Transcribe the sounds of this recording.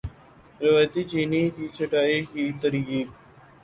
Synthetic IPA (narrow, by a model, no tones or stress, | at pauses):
ɾɪʋaːjt̪iːt͡ʃiːniːkiːt͡ʃʰəʈaːiːkiːt̪əɾiːɡiː